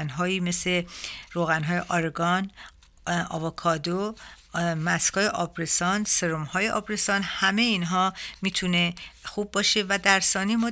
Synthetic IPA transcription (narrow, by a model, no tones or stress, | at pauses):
nɦɒːiːme̞sleɾoːɣænɦɒːje̞ʔɒɾeɡɒn | ɒ̰ːvokʰɒːd̪o | mæskʰɒːjeʔɒːbɾesɒnseɾomhɒːje̞ʔɒ̰ːbɾe̞sɒːnhæme̞jiːnɦɒːmiːt̪ʰune̞xub̚ːɒːʃe̞væd̪æɾsɒːnijemɒː